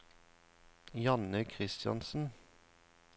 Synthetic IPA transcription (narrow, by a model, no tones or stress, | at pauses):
jɑnəkʰʁɪst̪jɑ̰nsn̩